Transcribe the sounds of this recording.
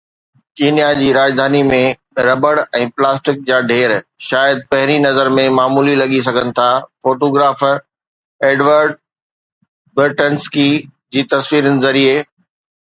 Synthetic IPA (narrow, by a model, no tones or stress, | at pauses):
kiːnijad͡ʑiːɾaːd͡ʑd̪ʱaːnimẽ | ɾɐbəɽɛ̃ːplaːsʈɪk̚d͡ʑaːɖʱeːɾʃaːjəd̪̚pɐɦɪɾinɐzəɾmẽmaːmuːlilɐɠis̬ɐɡʱənɪ̆t̪ʰafoːʈoːɡɾaːfəɾ | eːɖʋəɾɖ | bɪɾʈənskid͡ʑiːt̪ɐsʋiːɾənɪ̆zɐɾieː